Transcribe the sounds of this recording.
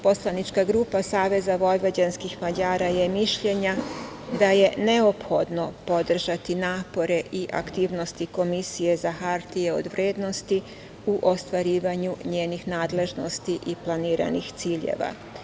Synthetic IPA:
po̞slˠanit͡ʃkaɡɾuːpasaːʋe̞zaʋo̞jʋad͡ʑanskixmad͡ʑaːɾaje̞miʃʎe̞ɲa | d̪aje̞ne̞opxo̞d̪no̞po̞d̪r̩ʒat̪inaːpo̞ɾe̞ʔiʔa̰kt̪iːʋno̞st̪iko̞misije̞zaxaɾt̪ijeo̞̰d̪ʋɾeːd̪no̞st̪i | uʔo̞st̪ʋaɾiːʋaɲuɲeːnixnaːd̪le̞ʒno̞st̪iʔiplˠaniːɾa̰nixt̪siːʎḛʋa̰

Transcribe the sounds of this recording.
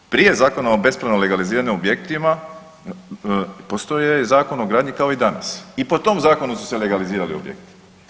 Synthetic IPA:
pɾije̞zaːko̞nao̞be̞spɾanole̞ɡaliziːɾaɲimobje̞kt̪ima | po̞st̪o̞jezaːko̞no̞ɡɾaːd̪ɲikao̞id̪ana̰sipo̞t̪o̞mzaːko̞nusu̥sele̞ɡaliziːɾaliobjḛkt̪i̥

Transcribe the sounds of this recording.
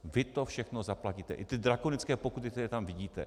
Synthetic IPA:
vɪt̪o̞fʃɛxnozaplaciːt̪ɛ̰ʔɪt̪ɪdɾakonɪt͡skɛːpokut̪ɪk̚t̪ɛɾɛːt̪amvɪɟiːt̪ɛ̰

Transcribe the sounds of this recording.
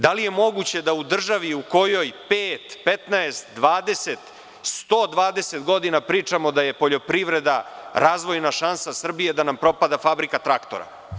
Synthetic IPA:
d̪alije̞mo̞ɡut͡ɕe̞d̪aud̪r̩ʒaʋiuko̞jo̞jpeːt̪pet̪naest̪d̪ʋaːd̪e̞set̪ | st̪oːd̪ʋaːd̪e̞set̪ɡo̞d̪inapɾiːt͡ʂamo̞d̪aje̞po̞ʎo̞pɾiʋɾe̞d̪aɾaːzʋo̞jnaʃansasr̩bije̞d̪anampɾo̞pad̪afabɾikat̪ɾakt̪o̰ɾa̰

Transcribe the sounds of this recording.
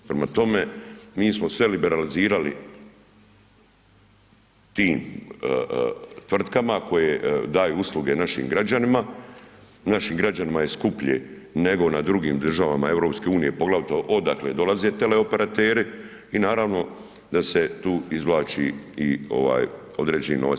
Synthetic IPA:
pɾemat̪o̞me̞miːsmo̞sʋe̞libe̞ɾaliziːɾalḭ | t̪iːm | t̪ʋr̩t̪kamako̞jed̪aːjuuslˠuɡe̞naʃḭːmɡɾad͡ʑanima | naʃiːmɡɾad͡ʑanimaje̞skupʎe | ne̞ɡo̞nad̪ɾuɡiːmd̪r̩ʒaʋamae̞vɾo̞ːpske̞uːnijepo̞ɡlaʋt̪oʔo̞d̪akle̞d̪o̞laze̞t̪e̞le̞o̞pe̞ɾat̪eːɾi | inaːɾaʋno̞ | d̪ase̞t̪uːizʋlaːt͡ʃḭio̞̰ʋa̰ːj | o̞d̪ɾe̞ːd͡ʑenḭno

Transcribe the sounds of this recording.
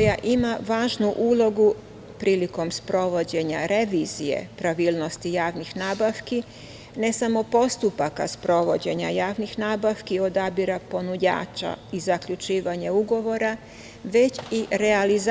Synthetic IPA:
jaʔimaʋaːʒnuʔuːlˠo̞ɡu | pɾiːliko̞mspɾo̞ʋo̞d͡ʑe̞ɲaɾe̞ʋiːzijḛpɾaʋiːlˠno̞st̪ijaːʋnixnaːbaʋki | ne̞samo̞po̞st̪upakaspɾo̞ʋo̞d͡ʑe̞ɲajaːʋnixnaːbaʋkio̞d̪abiɾapo̞nud͡ʑa̰ːt͡ʃa̰izakʎut͡ʃiːʋaɲeuɡo̞ʋo̞ɾa | ʋe̞t͡ɕiɾe̞aliz

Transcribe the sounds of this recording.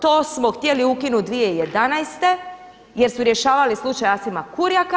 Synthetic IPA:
t̪o̞ːsmoxt̪jeliukinut̪d̪ʋije̞ijed̪anajst̪e̞ | jeɾsuɾjeʃaːʋalislˠut͡ʃajasimakuɾjak

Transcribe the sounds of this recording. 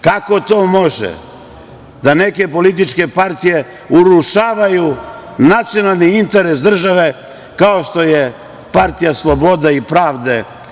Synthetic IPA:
kako̞t̪o̞ːmo̞ʒḛ | d̪ane̞ke̞po̞lit̪̬it͡ʃke̞paɾt̪ije̞ | uɾuʃaːʋajunat̪sijo̞nalˠniint̪eɾesd̪r̩ʒaʋe̞ | kaoʃt̪o̞je | paɾt̪ijaslˠobo̞d̪aipɾaːʋd̪e̞

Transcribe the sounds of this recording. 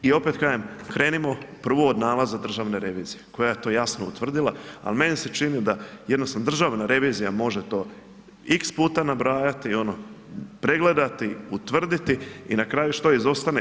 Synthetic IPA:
io̞pet̪kaːjemkɾeːnimo̞pr̩ʋuod̪naːlazad̪r̩ʒaːʋne̞ɾe̞ʋiːzijeko̞jajet̪o̞ːjasnoṵt̪ʋr̩d̪ilˠaa̰lmeniset͡ʃinid̪ajed̪nosand̪r̩ʒaʋnaɾe̞ʋiːzijamo̞ʒet̪o̞ː | ikspuːt̪anabɾaːjat̪io̞no | pɾe̞ɡle̞d̪at̪iut̪ʋr̩d̪it̪iinakɾaːjuʃt̪oizo̞st̪ane

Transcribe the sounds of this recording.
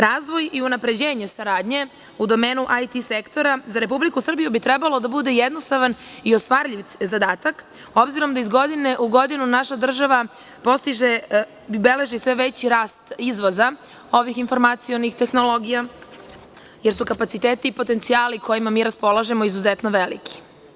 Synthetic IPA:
ɾaːzʋo̞jiunapɾe̞d͡ʑe̞ːɲe̞saɾaːd̪ɲe̞ | ud̪o̞me̞ːnuʔajt̪isekt̪o̞ɾazaɾe̞p̬ublikusr̩bijubit̪ɾɛbalo̞d̪abud̪e̞jed̪no̞st̪aʋanio̞st̪ʋaːɾʎiʋ̪zad̪aːt̪ak | o̞bziɾo̞md̪aizɡo̞d̪ine̞ʔuɡo̞d̪inunaʃad̪r̩ʒaʋa | po̞st̪iʒe | be̞le̞ʒisʋe̞ʋet͡ɕiɾaːst̪izʋoza | o̞ʋixinfo̞ɾmat̪sijo̞nixt̪e̞xno̞lˠo̞ɡija | jeɾsukapat̪sit̪eːt̪iːpo̞t̪e̞nt̪sijaːlikʰo̞jimamiːɾaspo̞lˠaʒe̞mo̞izuzet̪no̞ʋelḭkʰi̥

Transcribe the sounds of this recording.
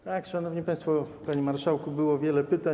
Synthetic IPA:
t̪akʂanɔvɲipaj̃st̪fɔpaɲimaɾʂawkubɘwɔvʲjɛlɛpɘt̪a

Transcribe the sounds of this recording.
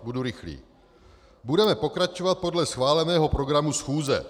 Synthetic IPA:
buduɾɪxlḭː | budɛmɛpo̞kɾat͡ʃovat̪̚po̞dlɛsxvaːlɛnɛːɦo̞pɾo̞ɡɾamusxuːzɛ̰

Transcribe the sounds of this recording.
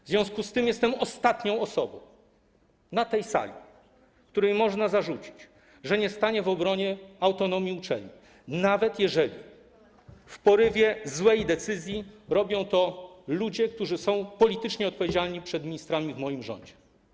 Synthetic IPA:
vzvʲɔ̃w̃skust̪ɘmjɛst̪ɛmɔst̪at̪ɲɔ̃w̃ɔsɔbɔ̃w̃ | nat̪ɛjsa̰lʲḭ | k̚t̪uɾɛjmɔʐnazaʐut͡ɕi̥t͡ɕ | ʐɛɲɛst̪aɲɛvɔbɾɔɲɛawt̪ɔnɔmʲjiut͡ʂɛ̰lɲi | navɛt̪jɛʐɛlʲḭ | fpɔɾɘvʲjɛzwɛjd̪ɛt̪sɘzʲjiɾɔbʲjɔ̃w̃t̪ɔlud͡ʑɛk̚t̪uʐɘsɔ̃w̃pɔlʲit̪ɘt͡ʂɲɛɔt̪̚pɔvʲed͡ʑalɲipʂɛd̪mʲiɲist̪ɾamʲivmɔjimʐɔ̰ɲd͡ʑɛ

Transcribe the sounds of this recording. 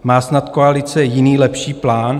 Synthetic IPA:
maːsnat̪koalɪt͡sɛjɪniːlɛpʃiːplaːn

